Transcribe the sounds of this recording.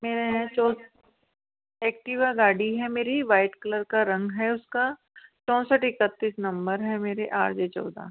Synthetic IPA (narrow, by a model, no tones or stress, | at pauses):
meːɾeɦɛ̃t͡ʃɔ̃ː | eːk̚ʈiʋaɡaːɽiɦɛmeːɾiʋaːɪʈkələɾkaɾɐ̃ŋɡɦɛʊska | t͡ʃɔ̃ːsəʈɪkət̪ːiːsnɐ̃mbəɾɦɛmeːɾeʔaːɾd͡ʒeːt͡ʃɔ̰ːd̪a̰